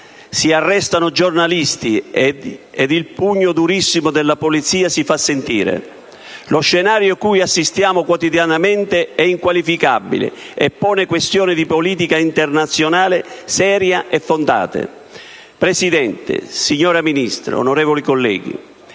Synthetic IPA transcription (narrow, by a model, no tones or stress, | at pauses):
siarːɛst̪anʊd͡ʒornalist̪i | ɛd̪ilpuɲːʊd̪uɾisːimʊd̪elːapolit̪siːasifasːent̪ḭːɾḛ | lʊʃːɛnaːɾjokujasːist̪jaːmʊkwɔt̪id̪janamɛnt̪ɪɛiŋkwalifika̰bːḭlɪ̰ | ɛpːɔːnɪkwest̪jɔːnɪd̪ipoliːt̪ikaint̪ernat̪sːjonaːlɪsɛːɾjaʔɛfːond̪a̰ːt̪ḛ | pɾesid̪ɛnt̪ɪ̰siɲːɔːɾaminist̪ɾa̰o̰noɾɛːvolikolːɛ̰ːɡḭ